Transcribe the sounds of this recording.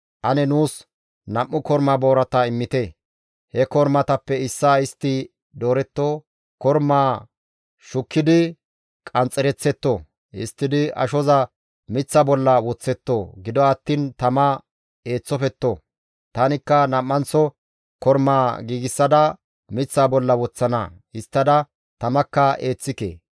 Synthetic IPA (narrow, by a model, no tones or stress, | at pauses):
ʔɐnɛnuːs | nɐmːʊkɔɾmaːbo̞ːɾɐt̪ɐɪmːɪt̪eː | hɛkɔɾmɐt̪ɐpːɛɪsːaɪst̪ːɪ | d̪oːɾɛt̪ːo | kɔɾmaː | ʃʊkːɪd̪ɪ | kʼɐnt͡sʼːɛɾɛt͡sːɛt̪ːo | ɪ̰st̪ːɪd̪ɪɐ̰ʃɔzɐ | mɪt͡sːɐbɔlːɐwɔt͡sːɛt̪ːoɡɪd̪ɔɐt̪ːiːnt̪ɐmɐ | e̞ːt͡sːɔfɛt̪ːo | t̪ɐnɪkːɐnɐmːɐnt͡sːɔ | kɔɾmaːɡiːɡɪsːɐd̪ɐ | mɪt͡sːaːbɔlːɐwɔt͡sːɐnɐ | ɪst̪ːɐd̪ɐ | t̪ɐmɐkːɐeːt͡sːɪkḛː